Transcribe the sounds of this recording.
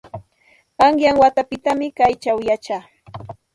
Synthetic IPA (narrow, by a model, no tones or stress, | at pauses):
aŋjaŋwat̪apɪt̪amɪkajt͡ʃawjat͡ʃaː